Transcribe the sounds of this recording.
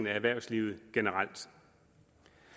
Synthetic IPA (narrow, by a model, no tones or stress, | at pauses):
n̩ææʋæɐ̰ʊsliːʊð̞̩ˠɡ̥enəʁɑl̰d̥